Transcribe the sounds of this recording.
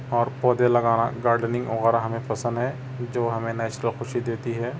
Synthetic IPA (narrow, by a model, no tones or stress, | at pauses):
ɔːɾpɔːd̪elɐɡaːnaɡaːɾɖnɪ̃ŋɡʊɣəɾaɦɐmẽpʰɐsə̃nd̪ɦɛ | d͡ʒoːɦɐmẽnɛːt͡ʃɾəlxʊʃid̪eːt̪iɦɛː